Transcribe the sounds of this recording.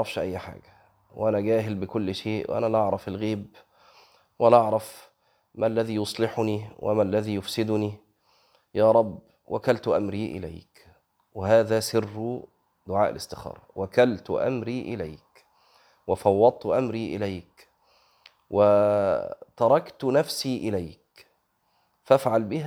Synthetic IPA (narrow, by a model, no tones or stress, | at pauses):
ɑʕɾˤɑfʃʔæjːħa̰ːɡæ | wʔænæɡæːɦɪlbɪkʊlːʃeːʔw̰ʔæ̰nælʔɑʕɾˤɑfɪlɣiːb | wælæʔɑʕɾˤɑf | mælːæðiːjosˤlɪħʊniːwʔɪ̰mælːæðiːjʊfsɪd̪ʊni | jaːɾˤɑbː | wʔækælt̪ʔamɾiːʔɪ̰læ̰jk | wɪhaːðaːsɪrː | d̪ʊʕaːʔɪ̰lɪ̰st̪ɪxɑ̰ːɾˤwækalt̪ʔa̰mɾiːʔɪlajk | wɪfɑwːɑd̪̚ˤt̪ʔamɾiːʔɪ̰lajk | wʔɪ | t̪ɑɾˤɑkt̪næfsiːʔɪlajk | fafʕalbɪh